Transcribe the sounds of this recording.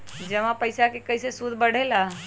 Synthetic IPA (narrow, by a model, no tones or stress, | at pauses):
d͡ʒəmãpəɪsakekɐɪsesud̪ʱbəɽ̤ela